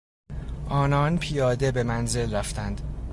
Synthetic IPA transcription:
ʔɒːnɒːnpʰijɒːd̪e̞be̞mænze̞lræft̪ʰænd̪̥

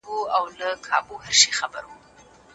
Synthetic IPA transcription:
uawləkʰɑ̰bohəɾʃexabə̰ɾwu

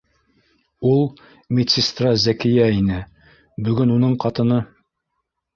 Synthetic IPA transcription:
ulˠ | mʲet̪ʲsʲest̪razækɘ̆jæinɘ | bɵ̆ɡɵnunɤɴqɑt̪ɤ̆nɤ

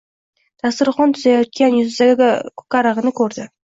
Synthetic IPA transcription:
t̪ʰast̪ɪɾχɒnt̪ʰʊzajɒt̪̚kʲanjʊzɪzaɡʲakʰʊ̥kʲaɾɑʁɨnɪkʰɵɾd̪ɪ

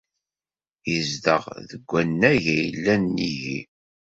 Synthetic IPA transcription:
jəzd̪ə̰ʁðəɡʷːænːæʝæjəlːænːiʝi

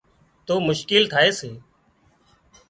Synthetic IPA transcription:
t̪oːmʊʃkɪlt̪ʰaːeːseː

